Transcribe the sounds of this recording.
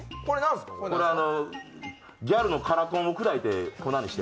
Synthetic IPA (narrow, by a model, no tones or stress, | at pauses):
kɾko̞ɾeano̞ | ɡʲaɾɯ̟no̞kʰaɾat̪õokɯ̟d̪ait̪e̞konãɲiɕi̥t̪e